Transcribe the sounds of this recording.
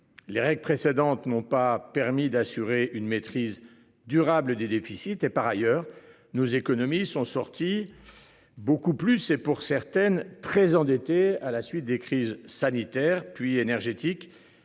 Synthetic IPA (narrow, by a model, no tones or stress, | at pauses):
leʁɛɡlpχesed̪ɑ̃t̪nɔ̃papɛʁmid̪asyʁeʔynmet̪χiz | d̪yʁabləd̪ed̪efisit̪epaʁajœːʁ | nozekɔnɔmisɔ̃sɔʁt̪i | bokuplysepuʁsɛʁt̪ɛnt̪χɛzɑ̃d̪et̪ealasɥit̪̚d̪ekχizsanit̪ɛʁpɥienɛʁʒet̪ik